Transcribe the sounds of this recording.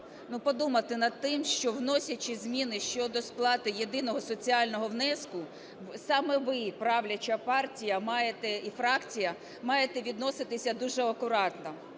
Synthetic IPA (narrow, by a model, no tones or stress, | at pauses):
nupɔd̪umɐt̪ɪnɐd̪̚t̪ːɪmʃt͡ʃɔwnɔsʲɐt͡ʃʲizʲmʲinɪʃt͡ʃɔd̪ɔsplˠɑt̪ɪjed̪ɪnɔɦɔsɔt͡sʲiɑlʲnɔɦɔʋnɛskʊ | sɑmɛʋɪpɾɑʋlʲɐt͡ʃɐpɑrtʲijɐmɑjet̪ɛifɾɑkt͡sʲijɐ | mɑjet̪ɛʋʲid̪nɔsɪt̪ɪsʲɐd̪uʒɛɔkʊɾɑt̪nɔ